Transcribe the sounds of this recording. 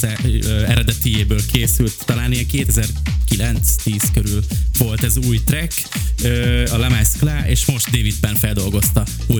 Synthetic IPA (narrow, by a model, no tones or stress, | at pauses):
ɛɛɾɛd̪ɛt̪ijeːbøːlkʰeːsylt̪ːɒlaːniɛkeːt̪ɛzɛrkilɛnt̪st̪iːskøɾylvo̞lt̪ɛzuːjt̪rɛk | øːɒlɛmɛsklaːʔeːʃmo̞ʃt̪̚d̪eːvid̪̚bɛnfɛld̪o̞lɡo̞st̪ɒ | u